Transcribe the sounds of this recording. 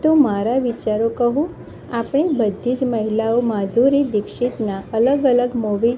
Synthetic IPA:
t̪omaɾaʋit͡ʃaɾokəɦũ | apɳ̃ebəd̪ʱːid͡ʒməɦilaomad̪ʱuɾid̪ɪkʃit̪naʔələɡələɡmoʋi

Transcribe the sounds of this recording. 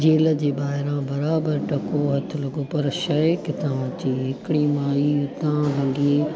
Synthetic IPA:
d͡ʑeːləd͡ʑeːbaːɦɪɾãbɐɾaːbəɾʈɐkoɦɐt̪ʰɪlɐɡopɐɾʃɐekɪt̪ãt͡ɕiːɦɪkɪɽimãːiʊt̪ãlɐɡẽ

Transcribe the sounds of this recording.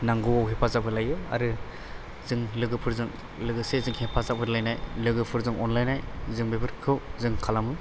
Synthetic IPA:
naŋɡɯwawɦepʰazapʰɯɾlajɯa̰ɾɯ | zɯŋlɯɡɯpʰɯɾzɯŋ | lɯɡɯsezɯŋhepʰazapʰɯɾlajnajlɯɡɯpʰɯɾzɯŋɔnlajnajzɯŋbebɯɾkʰɯwzɯŋkʰalamɯ

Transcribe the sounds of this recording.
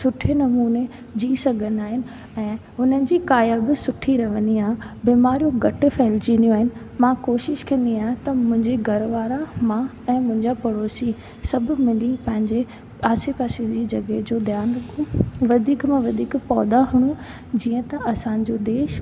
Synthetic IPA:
sʊʈʰenɐmuːne | d͡ʑiːsɐɡʱə̃nd̪aːɦɪnɪ̆ | ɛ̃ːɦʊnənɪ̆d͡ʑiːkaːjabɪsʊʈʰiɾɐʋə̃niãːbiːmaːɾijõɡɐʈɪ̆fɛːld͡ʑinijũaːɦɪnɪ̆ | mãkoːʃɪʃkɐ̃nd̪iãːt̪ɐmʊ̃ɦɪ̃ɲd͡ʑeɡʱɐɾʋaːɾamã | ɛ̃ːmʊ̃ɦɪ̃ɲd͡ʑapɐɾoːsi | sɐbʱʊ̆mɪlipɐ̃ɦɪ̃ɲd͡ʑe | aːsepaːsid͡ʑiːd͡ʑɐɡed͡ʑoːd̪jaːnɾɐkʰũʋɐd̪ʱiːkmãʋɐd̪ʱiːkpɔːd̪aɦʊɽ̃ũ | d͡ʑiːə̃t̪ɐɐsãːɲ̆d͡ʑod̪eːʃ

